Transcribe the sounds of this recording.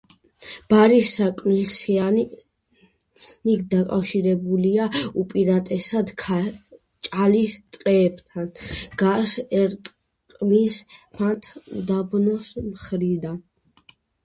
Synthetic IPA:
b̥aɾisːakʼmisa | nikd̪akʼafʃiɾɛbuliaupʼiɾat̪ʼɛsad̪kʰ | t͡ʃʼalist̪ʼqʼɛːbt̪ʰanɡ̥aɾsɛɾt̪ʼ | qʼmismʰat̪ʰd̪abnɔsmχɾid̪an

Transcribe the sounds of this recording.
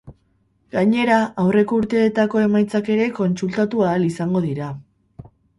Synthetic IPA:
ɡ̥aɲe̞ɾaawre̞ko̞uɾt̪e̞ːt̪ako̞e̞majt͡sake̞ɾe̞ko̞nt͡sult̪at̪uaːlisaŋɡo̞ðiɾa

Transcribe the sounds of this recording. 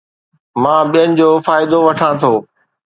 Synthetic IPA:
mãːɓijənɪ̆d͡ʑoːfaːɪd̪oʋɐʈʰãːt̪ʰoː

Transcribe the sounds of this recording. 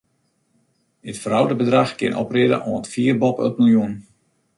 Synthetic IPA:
dɪtfərawdəbədraxkɪnɔ̰prɪdə̰ʔɔəntfiərbɔpø̰pməlˠjun

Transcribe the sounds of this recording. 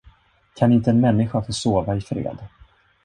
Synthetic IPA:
kʰanɪnt̪əɛnmɛnːɪɧafoːsoːvaɪfɾḛːd̪

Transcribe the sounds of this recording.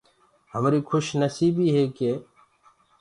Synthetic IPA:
ɦəmɾiːkʰʊʃnəsiːbiːɦeːkeː

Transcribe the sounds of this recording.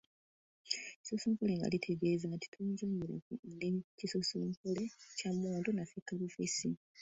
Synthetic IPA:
ci̥sosuːmpole̞ŋɡa̰litʰe̞ɡe̞ːzanti̥tʰuɲɟuːɲbuɾenecisosumkolecamːoːndonafekːaβufesi

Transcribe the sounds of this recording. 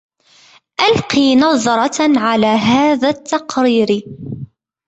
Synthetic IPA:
ʔalqiːnɑðˤɑɾˤɑʕalaːɦaːðaːt̪ːɑqɾiːɾ

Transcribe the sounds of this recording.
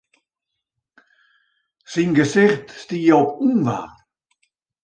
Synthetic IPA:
sinɡəsɪxtstijɔpunva̰

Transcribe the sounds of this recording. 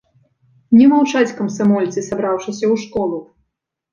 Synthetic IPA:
nʲɛmawt͡ʂat͡sʲkɐmsamɔlʲt̪sɨsabɾawʂɨsʲɐwʂkɔlˠu

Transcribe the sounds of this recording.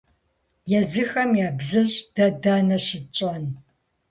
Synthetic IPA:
jɛzɨxɐmjaːbzɐɕʼd̥ɐdaːnɐɕɪt͡ʃʼɐn

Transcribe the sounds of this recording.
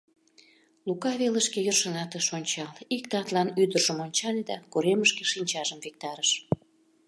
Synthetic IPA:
lukɑβeləʃkejorʃənɑt̪əʃonʲt͡ɕɑlikt̪ɑt̪lɑnyd̪ərʒəmonʲt͡ɕɑlʲed̪ɑkuɾeməʃkeʃinʲt͡ɕɑʒəmvek̚t̪ɑɾəʃ

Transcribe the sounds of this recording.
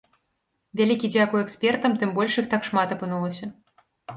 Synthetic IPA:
vʲalʲikʲid͡zʲakujɛksʲpʲɛrt̪ɐmt̪ɨmbɔlʲʂjixt̪akʂmat̪ɐpɨnulˠɐsʲɐ

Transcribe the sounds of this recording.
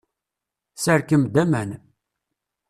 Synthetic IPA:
səɾkəmd̪æmæn

